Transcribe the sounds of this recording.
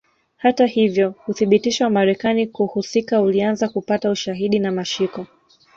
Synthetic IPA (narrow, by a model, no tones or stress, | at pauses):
hatahivjɔhuθiɓitiʃawamaɾɛkanikuhusikaulianzakupatauʃaɦiɗinamaʃikɔ